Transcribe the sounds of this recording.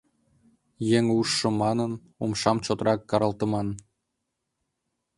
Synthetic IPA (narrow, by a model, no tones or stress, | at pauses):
jeŋuʃːɤ̆mɑnən | umʃɑmt͡ɕot̪rɑkːɑɾɑlˠt̪ɤ̆mɑn